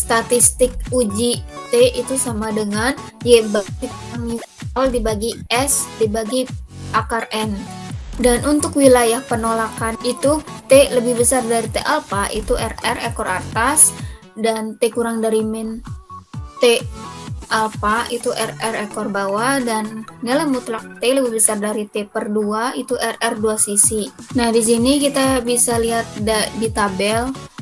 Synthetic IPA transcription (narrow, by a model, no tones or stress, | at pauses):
st̪at̪ist̪ɪk̚ud͡ʒit̪eit̪usamadəŋan | jebadikuaŋju | ɔldibaɡiɛsdibaɡiʔakarɛndanʔunt̪ʊkwilajahpənolakanit̪ut̪eləbɪhbəsardaɾit̪eʔɛlfaʔḭt̪uʔɛrɛrɛkɔra̰rt̪as | dant̪ekuɾaŋdaɾimɪn | t̪e | ʔalfait̪uʔɛrɛrekɔrbawadanːalamut̪lak̚t̪eləbɪhbəsardaɾit̪epərduait̪uʔɛrɛrduasisinahdis̬inikit̪abisaliɦat̪̚dadit̪abɛl